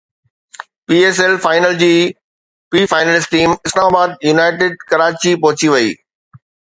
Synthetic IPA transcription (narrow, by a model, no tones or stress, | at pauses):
piːeːs̬elfaːɪnəld͡ʑiː | piːfaːɪnəlɪsʈiːmɪslaːmaːbaːd̪̚junaːɪʈɪːɖ̚kɐɾaːt͡ɕipɐɦʊt͡ɕiʋɐḭː